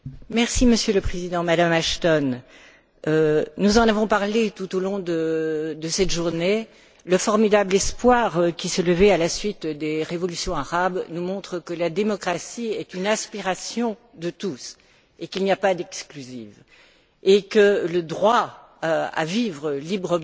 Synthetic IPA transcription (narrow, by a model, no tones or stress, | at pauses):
mɛʁsiməsjøləpχezid̪ɑ̃mad̪amaʃt̪ɔn | ønuzɑ̃navɔ̃paʁlet̪ut̪olɔ̃d̪əd̪əsɛt̪ʒuʁne | ləfɔʁmid̪ablɛspwaʁkʲisələvɛalasɥit̪d̪eʁevɔlysjɔ̃aʁabnumɔ̃t̪χəkəlad̪emɔkχasiɛt̪ynɛ̃spiʁasjɔ̃ | d̪ət̪us | ekilniapad̪ɛksklyziv | ekələd̪ʁwa | a̰vivʁəlibʁəm